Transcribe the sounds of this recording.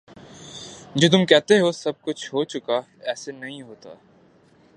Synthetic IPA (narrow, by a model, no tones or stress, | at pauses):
d͡ʒoːt̪̬ʊmkɛɦt̪eɦosɐb̚kʊt͡ʃʰɦot͡ʃʊka | ɛːsenɐɦĩɦoːt̪a̰ː